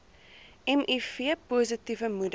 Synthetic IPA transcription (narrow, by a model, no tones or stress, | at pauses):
ɛmʔifiəpuːzətivəmud